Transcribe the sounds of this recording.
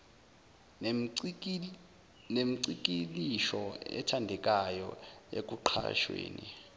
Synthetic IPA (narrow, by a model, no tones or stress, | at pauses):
nemiǀik̬ʼiliʃɔɛ̰tʰandʱɛk̬ʼajɔ̰ḛk̬ʼuǃʰa̰ʃwḛːni